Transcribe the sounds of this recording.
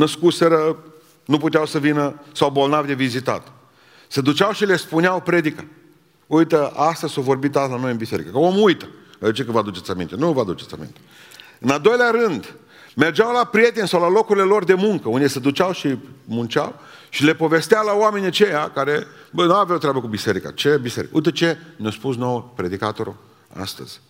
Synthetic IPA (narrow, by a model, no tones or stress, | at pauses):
nəskuseɾə | nuput̪eawsəvinəsawbo̞lnavd̪e̞vizit̪a̰t̪ | sed̪ut͡ʃawʃile̞spuneawpɾe̞d̪ika | ujt̪əast̪əzovo̞rbit̪alano̞jɨnbise̞ɾḭkəkəomujt̪ə̥ | d̪et͡ʃekəvad̪ut͡ʃet̪ʲamḭnt̪e̞nuvəad̪ut͡ʃet̪sa̰mḭnt̪e | ɨnald̪o̞jleaɾɨnd̪ | me̞rd͡ʒawlapɾije̞t̪e̞nʲsawlalo̞kuɾilelo̞rd̪e̞muŋkəund̪esed̪ut͡ʃawʃimunt͡ʃʲa̰w | ʃile̞po̞ve̞st̪eawlawame̞niat͡ʃe̞jakaɾe̞ | bənawavjawt̪ɾʲeabəkubise̞ɾika̰t͡ʃebise̞ɾikujt̪ət͡ʃe̞nʲjawspusno̞wəpɾe̞d̪ikat̪o̞ɾṵ | a̰st̪ə̰z̥ʲ